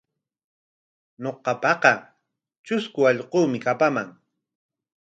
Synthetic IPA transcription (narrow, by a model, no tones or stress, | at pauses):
noqɑpɑqɑ | t͡ʃʊskʊɑʎquːmɪkapamaŋ